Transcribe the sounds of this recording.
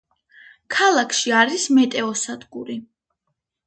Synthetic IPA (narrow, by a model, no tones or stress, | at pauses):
kʰalˠakʰʃiaɾismɛt̪ʼɛɔsad̪ɡuɾi